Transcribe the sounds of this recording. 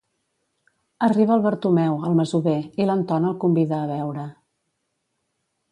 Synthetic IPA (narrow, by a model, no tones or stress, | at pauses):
əriβəːlˠβəɾt̪umɛwəlˠməzuβeilənt̪ɔnəːlˠkumbiðəːβɛwɾə